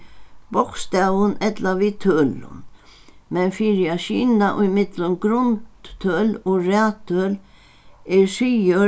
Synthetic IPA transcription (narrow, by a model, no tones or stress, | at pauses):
bɔkst̪awʊnʔɛt̪laʋit̪ʰøːlʊ̰nmɛnfiɾɪaʃiːnaʔʊjmɪd̪lʊnɡɾʊnt̪t̪ʰøːloɾaːt̪ʰːøːl | ɛsiə